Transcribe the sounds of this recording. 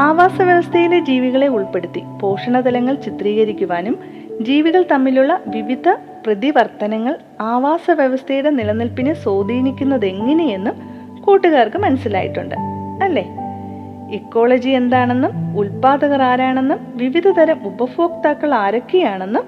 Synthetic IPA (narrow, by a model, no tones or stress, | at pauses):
aːʋaːsɐʋjɐʋɐst̪ʰɐjiled͡ʑiːʋiɣɐɭe̞uɭpe̞ɽut̪ːipo̞ːʂɐɳɐd̪ɐlɐŋːɐɭt͡ɕit̪riːɣɐɾikʲːuʋaːnum | d͡ʑiːʋiɣɐɭt̪ɐmːiluɭːɐʋiʋid̪ʱɐ | prɐðiʋɐrt̪ɐnɐŋːɐɭ | aːʋaːsɐʋjɐʋɐst̪ʰɐjiuɽe̞nilɐnːilpinɨso̞ːd̪ʱiːnikʲːunːɐðe̞ŋːɐne̞je̞nːum | kuːʈːuɣaːrkɨmɐnɐsila̰ːjḭʈːṵɳɖɨ̰ɐlːe | ekːo̞ːɭɐd͡ʑie̞nd̪aːɳe̞nːumulpaːd̪ɐɣɐraːɾaːɳe̞nːumʋiʋid̪ʱɐd̪ɐɾɐmubɐfoːk̚t̪aːkːɐɭaːɾɐkːijaːɳe̞nːum